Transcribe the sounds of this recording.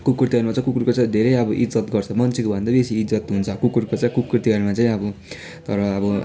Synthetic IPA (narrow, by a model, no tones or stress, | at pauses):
kukrt̪iɡʌrmat͡saĩkukurkot͡saĩd̪ʱeɾʌjʌbʌʔid͡zʌt̪ɡʌrt͡sʰʌmʌnt͡sʰekobʱʌnd̪abesiːd͡zʌt̪ɦunt͡sʰʌkukurkot͡saĩkukːrirt̪iɡʌrmat͡saĩʌbʌ | t̪ʌɾʌːbʌ